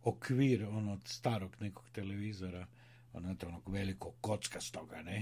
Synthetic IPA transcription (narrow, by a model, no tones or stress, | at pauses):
okʰʋiːɾonot̪st̪aːɾoɡneko̥kt̪ɛlɛʋiːzɔɾa | o̰nat̪onɔɡʋɛlikoɡ̚ːot̪skast̪oɡanɛ